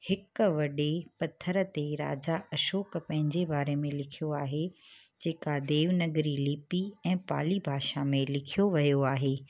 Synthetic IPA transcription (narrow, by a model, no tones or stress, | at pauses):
hɪkʋɐɗepɐt̪ʰːəɾət̪eɾa̰ːd͡ʑaɐʃoːkpɐ̃ɦɪ̃ɲd͡ʑebaːɾemẽlɪkʰijoaːɦe | d͡ʑeːkad̪eːʋnɐɡɾilɪːpiɛ̃ːpa̰ːlibʱaːʃamẽlɪkʰijoʋɐjoaːɦeː